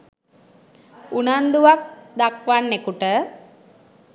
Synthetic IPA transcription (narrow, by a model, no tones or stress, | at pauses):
unand̪uʋak̚d̪akʋanːekuʈə